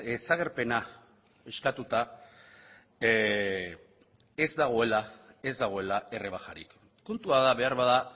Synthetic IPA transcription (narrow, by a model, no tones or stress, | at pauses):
esaɣ̞e̞ɾpe̞na | eskat̪ut̪a | e̞zd̪aɣ̞o̞e̞lae̞zd̪aɣ̞o̞e̞laʔe̞reβ̞axaɾḭkː | ont̪uaðaβe̞aɾβaða